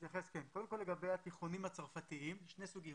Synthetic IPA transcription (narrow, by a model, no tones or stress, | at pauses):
t̪jaχeskenkod̪emko̞lːeɡabe̞jat̪iχonimhat͡saʁfat̪iimʃne̞suɡi